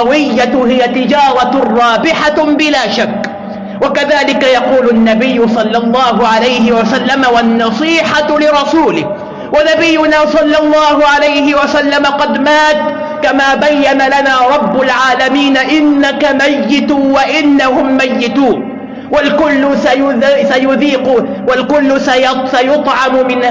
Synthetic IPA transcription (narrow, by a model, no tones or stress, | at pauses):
ɑwɪjːahɪjat̪ɪd͡ʒɑːɾˤɑrˤːɑːbɪħabɪlaːʃakː | wakaðaːlɪkajɑquːlanːabɪjːʊsˤɑlːɑlˤːɑːhʊʕalajhɪwasalːamawanːɑsˤiːħalɪɾˤɑsuːlɪh | wanabɪjːʊnaːsˤɑlːɑlˤːɑːhʊʕalajhɪwasalːamaqɑd̪maːt̪ | kamaːbajːanalanaːɾˤɑbːʊlʕaːlamiːnaʔɪnːakamajːɪt̪waʔɪnːahʊmːajːɪt̪uːn | walkʊlːʊsajʊsajʊðiːquːn | walkʊlːʊsajsajʊt̪ˤʕɑmʊmɪnha